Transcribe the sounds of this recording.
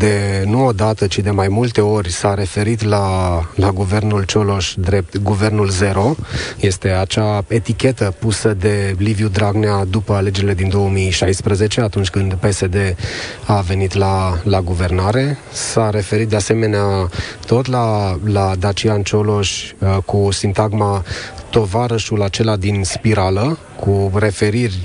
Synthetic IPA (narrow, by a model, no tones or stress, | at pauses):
d̪e̞nuod̪at̪ət͡ʃid̪e̞majmult̪e̞o̞rʲsaɾe̞fe̞ɾit̪lalaɡuve̞rnult͡ʃo̞lo̞ʃd̪ɾe̞p̚t̪ɡuve̞rnulze̞ɾo̞je̞st̪e̞at͡ʃae̞t̪ikʲe̞t̪əpusəd̪e̞livjud̪ɾaɡnead̪upəale̞d͡ʒe̞ɾile̞d̪ind̪o̞wəmiʃajspɾəze̞t͡ʃe̞at̪unt͡ʃʲkɨnd̪pe̞se̞d̪e̞ave̞nit̪lalaɡuve̞rnaɾe̞ | saɾe̞fe̞ɾit̪̚d̪ease̞me̞neat̪o̞t̪lalad̪at͡ʃiant͡ʃolo̞ʃʲkusint̪aɡmat̪o̞vaɾəʃulat͡ʃe̞lad̪inspiɾalə | kʰure̞fe̞ɾirʲ